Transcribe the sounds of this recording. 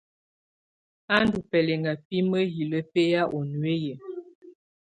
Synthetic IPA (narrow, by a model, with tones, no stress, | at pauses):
a˦ndu˨pɛ˨lɛ˨ŋa˨pi˦mə˦ɦi˨lə˦pe˦ja˦ʔo˨nwe˦je˨